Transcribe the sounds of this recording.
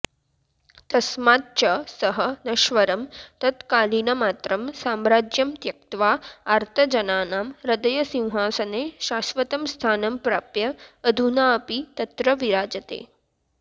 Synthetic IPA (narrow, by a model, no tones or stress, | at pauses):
t̪ɐsmaːt̪̚t͡ʃɐsɐɦɐnɐʃʋɐɾɐmt̪ɐt̪kaːliːnɐmaːt̪ɾɐmsaːmɾaːd͡ʒjɐmt̪jɐk̚t̪ʋaːaɾt̪ʰɐd͡ʒɐnaːnaːmɾɐd̪ɐjɐsĩw̃ɦaːsɐneːʃaːsʋɐt̪ɐmst̪ʰaːnɐmpɾaːpjɐːd̪ʱunaːɐpit̪ɐt̪ɾɐʋiɾaːd͡ʒɐt̪ḛː